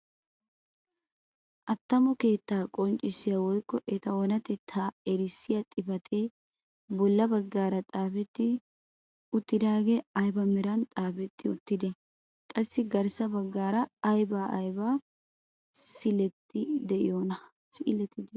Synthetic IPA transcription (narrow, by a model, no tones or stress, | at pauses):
ʔɐt̪ːɐmɔke̞ːt̪ːaːkʼɔnt͡ʃʼɪsɪjawɔjkːɔʔɛt̪ɐwɔnɐt̪ɛt̪ʰaːɛɾɪsːɪjɐt̪ʼɪbɐt̪ʰʼeː | bɔlːɐbɐɡːaːɾɐt̪ʼaːfɛt̪ːɪ | ʊt̪ːɪd̪aːɡeːɐjbɐmɛɾɐnt̪ʼaːfɛt̪ʰːɪʊt̪ːɪd̪ɛ | kʼɐsːɪɡɐɾsɐbɐɡːaːɾɐːjbaːʔɐjba | sɪlɛt̪ːɪd̪ɛʔɪ̰joːnɐ | sɪʔɪlɛt̪ːɪd̪